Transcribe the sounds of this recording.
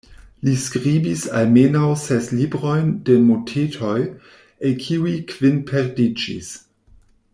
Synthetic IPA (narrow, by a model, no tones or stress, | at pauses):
liskɾibisa̰lmenawsɛslibɾo̞jndemotʰetʰoj | ekʰiuikʰv̥inpʰeɾdid͡ʒḭs